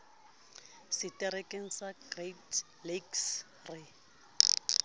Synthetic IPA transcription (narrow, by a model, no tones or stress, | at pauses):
sɪtʼɛrekʼeŋ̩saɡret | leks | rɪ